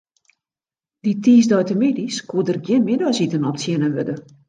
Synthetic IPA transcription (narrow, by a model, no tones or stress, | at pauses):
ditiːsdɔjtəmɪdiskʰuədərɡjɪnmɪdasitənɔpsjɛnəʋødə